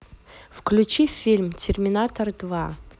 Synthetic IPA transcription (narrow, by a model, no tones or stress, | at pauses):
fklʲut͡ʃifʲːilʲmtʲʰɪrmʲɪnat̪ʰɐrd̪va